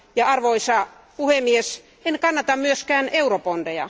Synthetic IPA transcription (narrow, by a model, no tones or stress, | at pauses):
jɑɑrʋoisɑ | puhemːies | enkɑnːɑt̪ɑmmyøskæːneuropond̥ejɑ̰